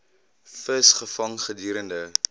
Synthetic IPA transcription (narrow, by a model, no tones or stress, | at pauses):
fəsχəfɐŋχədyːɾəndə